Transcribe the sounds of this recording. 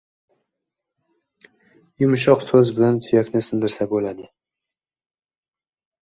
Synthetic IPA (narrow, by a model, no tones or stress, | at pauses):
jʊmʃ̬ɒqsɵzbɪlant̪ʰʊjakʲnɪsɪnd̪ɪɾsabolad̪ɪ